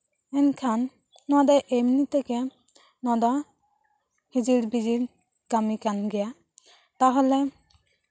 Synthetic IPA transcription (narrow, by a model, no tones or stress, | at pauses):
ɛnkʰanː | ɔdɔʔemnit̪ɛkɛ | nɔd̪ɔ | hid͡ʒiɾbid͡ʒiɾ | kamikanɡɛja | t̪aɦɔlɛ